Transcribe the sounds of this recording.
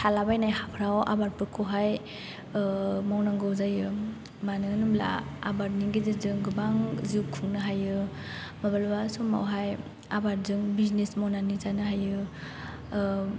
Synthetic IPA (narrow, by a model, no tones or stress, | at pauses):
tʰalabajnajhapʰɾawʔa̰baɾpɯkʰɯɦaj | mawnaŋɡɔwzajɯ | manɯnumla̰a̰baɾniŋɡizɯzɯŋɡɯbaŋziwkʰuŋnɯɦajɯmabalbasɔma̰wɦaj | abaɾzɯŋbiznesmawnanizanɯɦajɯ